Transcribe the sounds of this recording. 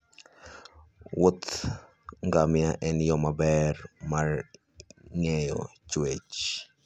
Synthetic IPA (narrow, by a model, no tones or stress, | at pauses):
wot̪ | ŋɡamjaʔɛnjɔmabɛrmar | ŋejɔ̰t͡ʃwet͡ʃ